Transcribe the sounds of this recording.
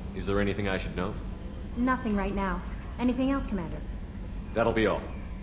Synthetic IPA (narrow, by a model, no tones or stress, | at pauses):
ɨzðə˞ɛniθɪ̃ŋaɪʃɨdⁿnoʊ | nʌθɪ̃ŋɹaɪtⁿnaʊ | ɛniθɪ̃ŋɛlˠskʰəmæ̃ndə˞ | ðæɾl̩ˠbiɔ̰lˠ